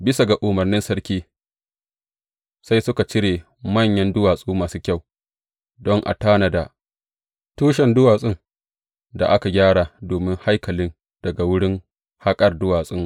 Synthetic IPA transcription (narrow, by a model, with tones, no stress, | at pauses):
bɪ˦sa˨ɡa˨ʔʊ˨mɐ˨rnɪ˦nsɐ˦ɽkʲiː˦ | sa˦jsʊ˦ka˨t͡ʃɪ˦ɽeː˨ | mɐ˦˨ɲjɐ˦ndʊ˦waː˨sʼuː˦maː˨suː˦kʲa˦˨w | dɔ˦ŋʔa̰˨taː˦na˨da˨ | tuː˦ʃ̬ɛ˨ndʊ˦waː˨sʼɪ˦ŋ | da̰˨ʔa˦ka˨ɡʲaː˦ɽa˨doː˨mɪ˦ŋha˦jkɐ˨lɪ˦n | d̥ɐ˨ɡa˨wʊ˦ɽɪ˦ŋ | ha˦kʼɐ˨rdʊ˦waː˨sʼɪ˦ŋ